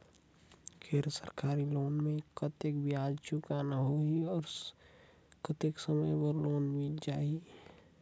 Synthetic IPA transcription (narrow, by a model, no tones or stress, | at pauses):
keːd̪ɾəsə̰ɾkaːɾiloːnmẽkət̪ekbʱiaːd͡ʒt͡ʃʊkanaɦoiɔːɾ | kət̪eksəməjpəɾloːnmĩd͡ʒaːi